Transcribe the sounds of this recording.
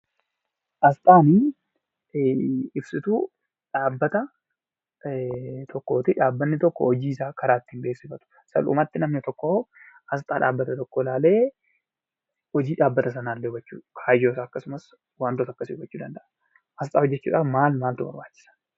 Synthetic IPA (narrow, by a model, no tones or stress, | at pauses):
ʔɐst̪ʼaːni | ɪbsɪt̪uː | ᶑaːbːɐt̪ɐ | t̪ʰɔkːo̞ːt̪ɪᶑaːbːɐnːɪt̪ɔkːɔ̰ɔd͡ʒiːɪsaːkɐɾaːt̪ːɪhɪmbeːsːɪfɐt̪ʊ̥ | sɐ̰lṵmɐt̪ːɪnɐmnɪt̪ɔkːo | ʔɐst̪ʼaːᶑa̰ːbːɐt̪ɐt̪ɔkːoːlaːle̞ː | hɔd͡ʒiːᶑaːbːɐt̪ɐs̬ɐnaːlːeʊɡɐt͡ʃːṵːkʰaːjoːsaːɐkːɐsʊmɐs | waːnt̪ʊt̪ɐkːɐsɪʊɡɐt͡ʃːuːd̪ɐnd̪ɐʔɐ | ʔɐs̬t̪ʼaːhɔd͡ʒːɛt͡ʃːṵːᶑaːfmaːlmaːlt̪ʊbɐ̰ɾbaːt͡ʃːɪ̥sɐ̥